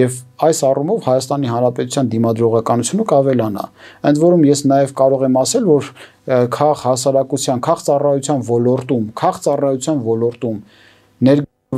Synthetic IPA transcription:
jɛvɑjsɑrumɔvhɑjɑst̪ɑniɦɑnɾɑpɛt̪ut͡sʰjɑnd̪imɑd̪ɾɔʁɑkɑnut͡sʰjunəkɑvɛlɑnɑ̰ənd̪vɔɾumjɛsnɑjɛvkɑɾɔʁɛmɑsɛlvɔɾ | kʰɑʁhɑsɑɾɑkut͡sʰjɑnkʰɑχt͡sɑrɑjut͡sʰjɑnvɔlɔɾt̪umkʰɑχt͡sɑrɑjut͡sʰjɑnvɔlɔɾt̪um | nɛɾɡ

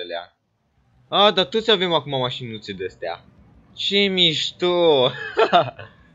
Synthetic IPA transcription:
elea̰ | ad̪at̪ot̪sʲavemakumamaʃinːut̪sed̪est̪ea̰ | t͡ʃemiʃt̪u

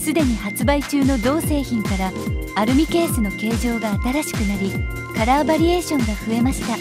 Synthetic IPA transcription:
sɨd̪e̞ɲ̟ihat͡sɨbait͡ɕɨːno̞d̪o̞ːse̞ːçĩŋkaɾaːɾɯ̟mʲike̞ːsɨno̞ke̞ːʑo̞ːɡaːt̪aɾaɕi̥kɯ̟naɾʲi | kaɾabaɾʲie̞ːɕõ̞ŋɡaɸɯ̟e̞maɕi̥t̪a

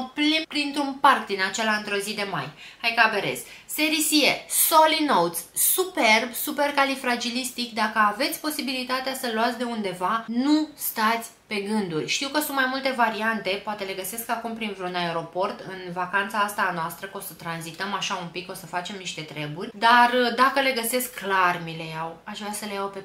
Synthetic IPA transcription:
plipɾint̪ɾunparkd̪inat͡ʃe̞laɨnt̪ɾo̞zid̪e̞ma̰jhajkabeɾḛz̥se̞ɾisieso̞lino̞wt̪sːupe̞rbsupe̞rkalifɾad͡ʒilist̪ikd̪akəave̞t̪sʲpo̞sibilit̪at̪easəluat̪sʲd̪e̞und̪e̞vanust̪at̪sʲpe̞ɡɨnd̪urʲʃt̪iwkəsunt̪majmult̪e̞vaɾiant̪e̞poat̪e̞le̞ɡəse̞skakumpɾint̪ɾunae̞ɾo̞po̞rt̪ɨnvakant̪saːst̪aːnoast̪ɾəko̞sət̪ɾanzit̪əmaʃaumpiko̞səfat͡ʃe̞mniʃt̪e̞t̪ɾe̞burʲd̪ard̪akəle̞ɡəse̞skːlarmile̞jawaʃvɾasəlejawpe

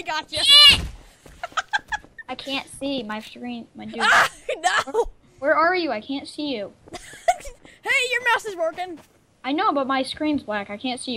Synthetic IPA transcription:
ɡɑt͡ʃɨ | aɪkʰæ̃ntsimaɪsɹĩnmaɪdnoʊ | wə˞ə˞jɨaɪkʰæ̃ntsijʉ | heɪjə˞maʊsɨzwɜ˞kɪ̃ŋ | aɪnoʊbʌt̚maɪskɹĩnzblækaɪkʰæ̃ntsij

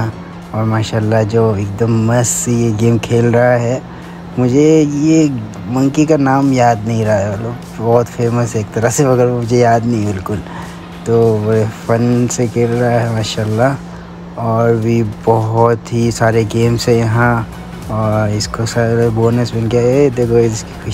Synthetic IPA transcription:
ã | ɔːɾmaːʃaːlːad͡ʒoːeːk̚d̪əmːɐssejeɡeːmkʰeːlɾɐɦaɦɛː | mʊd͡ʒʱeje | mɐ̃ŋkikanaːmjaːd̪nɐɦĩɾɐɦaɐt̪ləb | bɔːt̪feːməseːk̚t̪ɐɾəɦseɐɡəɾmʊd͡ʒʱejaːd̪nɐɦĩbɪlkʊl | t̪oːbɾefɐnsekʰeːlɾɐɦaɦɛmaːʃaːlːa | ɔːɾbʱibɐɦɔt̪ɦisaːɾeɡeːmsejɐɦã | ɔːɾɪskosaboːnəsbɪnkaed̪eːkʰoɪski̥ʊ

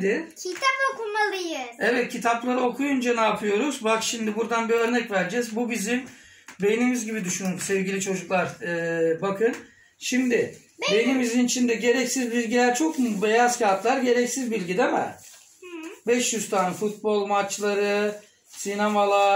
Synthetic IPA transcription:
d̪ɪcʰit̪ʰapokumalˠɯjɯɛvɛt̪̚cʰit̪ʰaplˠaɾɯo̞kʰujund͡ʒanaːpʰɯjo̞ɾuzbakʃimd̪ibuɾd̪anbiø̞ɾnɛcvæɾd͡ʒɛzbubizim | benimizɟibid̪yʃynumsɛvɟilʲit͡ʃʰo̞d͡ʒuklˠaɾɯːbakʰɯn | ʃimd̪ɪ | bbenimizinit͡ʃʰind̪ɛɟe̞ɾɛcsizbilʲɟilʲæɾt͡ʃʰo̞kmbe̞jazcʰaɾt̪lˠaɾɟe̞ɾɛcsizbilʲɟid̪emɛ̰ | bɛʃjyzt̪ʰanfut̪̚bo̞lˠmat͡ʃlˠaɾɯ | sinamalˠa

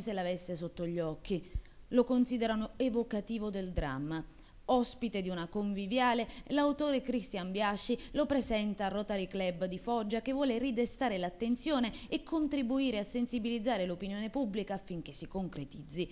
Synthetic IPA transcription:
selavesːesot̪ːoʎːɔkːi | lokonsiːd̪eɾanoevokat̪iːvod̪eld̪ɾa̰mːa | ɔspit̪ed̪iunakoɱvivjaːlelawt̪oːɾekɾist̪jambjaʃːilopɾezɛnt̪aːrːɔt̪aɾiklɛbd̪ifɔd͡ʒːakevːwɔːlerid̪est̪aːɾelat̪ːent̪sjoːneːkʰːont̪ɾibuiːɾeasːensibilid̪zːaːɾelopinjoːnepubːlikaːfːiŋk̟esikoŋkɾet̪id̪zːi

